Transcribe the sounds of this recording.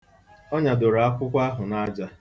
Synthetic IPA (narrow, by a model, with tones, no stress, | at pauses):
ɔ˦ɲa˨do˨ɾa˨a˦kʷʊ˦kʷa˦ɦʊ˨na˦d͡ʒa˦